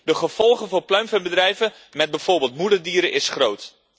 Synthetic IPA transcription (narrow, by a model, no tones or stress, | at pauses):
dəχəv̥ɔlˠχəvʊːɹplœɥmvənbədrɛjvə | mɛd̚bɛjv̥ʊːɹbeːlˠtmudəɹdiːɾəʔɪsχrowt